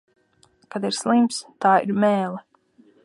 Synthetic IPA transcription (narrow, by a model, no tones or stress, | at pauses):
kad̪iɾslˠimpst̪aːḭɾmɛːlˠɛ